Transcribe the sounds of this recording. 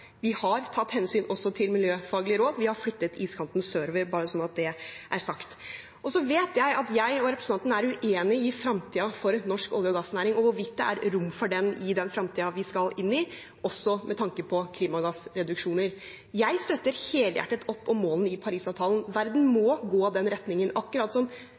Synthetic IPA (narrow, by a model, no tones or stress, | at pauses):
ʋɪhɑɾt̪ʰɑt̪ːhɛnsyːnʔɔsːɔt̪ʰɪlmɪljøːfɑːɡlɪəɾoːd̪ʋɪhɑɾflʏt̪ːət̪ʰiːskʰɑnt̪n̩søːɾʋəɾbɑːɾəsɔnɑt̪̚d̪ɛʔæɾsɑkt̪ | ʔɔsɔʋeːt̪ʰjæɪʔɑt̪jæɪɔɾɛpɾəsəɑnt̪nəæɾʉʔeːnɪɪfɾɑmt̪ʰiːɑfɔɾnɔʂkɔ̰ljɔɡɑsnæːɾɪŋɔʋʊɾʋɪt̪̚d̪ɛʔæ̰ɾɾʊmːfɔɖɛnɪd̪ɛnfɾɑmt̪ʰiːɑʋɪskɑlɪnːɪ | ɔsːɔmʔɛt̪ʰɑŋkəpʰɔkʰliːmɑɡɑsɾɛd̪ʉkʂuːnəɾ | jæɪst̪œt̪ːəɾheːləjæ̰ʈːət̪ʰɔpːɔmːoːlnəɪpʰɑɾiːsɑːʋt̪ʰɑːlənʋæɾd̪n̩mɔɡoːɑd̪ɛnɾɛt̪nɪŋənɑkːʉɾɑːt̪sɔm